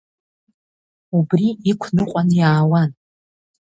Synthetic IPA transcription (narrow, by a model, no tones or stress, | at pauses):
ubriikʷʰnɨqʷʼanjaːwan